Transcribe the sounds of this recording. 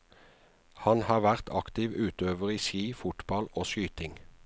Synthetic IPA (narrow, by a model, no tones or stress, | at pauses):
hɑnhɑːʋæʁt̪ʰɑ̰kt̪ɪːʋʉːt̪øːʋəʁiːʃiːfʊt̪bɑloːsyːt̪ɪŋ